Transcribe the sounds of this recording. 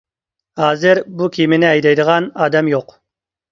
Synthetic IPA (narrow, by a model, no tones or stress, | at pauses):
hɑːzɪɾbukʰʲimɪnɪæjd̪ɑjd̪əʁɑnɑːd̪æmjoq